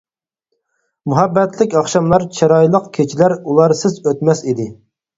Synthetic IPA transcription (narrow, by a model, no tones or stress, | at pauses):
muɦɑbːɛt̪lɪkʲɑχʃɑmlˠɑɾt͡ʃʰɑɾɑjlˠəqkʲʰet͡ʃʰilæɾulˠɑɾsɪzøt̪mɛsid̪ɪ